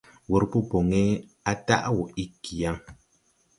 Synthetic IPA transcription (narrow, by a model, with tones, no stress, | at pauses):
wo˨ɾpu˦po˨ŋe˦ | a˦ta̰˦ʔwɔ˨i˦ki˨a˦ŋ